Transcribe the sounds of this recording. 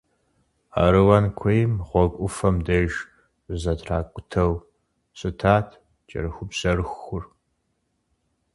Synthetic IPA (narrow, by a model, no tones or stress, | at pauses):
a̰ɾɨwɐnkʷʰejmʁʷɔkʷʼʊfɐmdɐʒ | zɐtʰraːkʷʼʊtʰɐw | ɕʼɨtʰaːtʰ | t͡ʃʼɐ̰rɨxʷʊbz̥ɐrɨxʊr